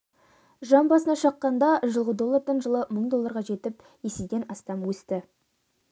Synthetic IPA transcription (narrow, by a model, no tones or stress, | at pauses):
ʒɑmbɑsənɑʃɑqːɑnd̪ɑʒəlˠʁəd̪o̞lˠːɑɾd̪ɑɴʒəlˠəməɴd̪o̞lˠːɑɾʁɑʒe̞t̪ɪp | jesed̪ʲe̞nɑst̪ɑmwɵst̪ɪ